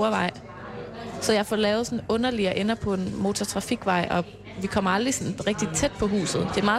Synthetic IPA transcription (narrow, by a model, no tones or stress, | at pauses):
ɐʋɑ̈ɪ̰ | sɒ̽jɑ̈ɪfɒlɛːʊð̩ˠsɒnɔ̽nɐliɒʔenɐpʰɒ̽e̝nmo̝t͡sʰɒt͡sʰʁɑ̈fiɡ̥ʋɑ̈ɪ̰ʔɒ̽ | ʋikʰɒ̽m̰ɐɑ̈ld̥ʁisɒ̽nʁɛɡ̥̚d̥it͡sʰed̥̚pʰɒ̽ɦṵːsð̩ˠd̥e̝æɐmɑ̈ː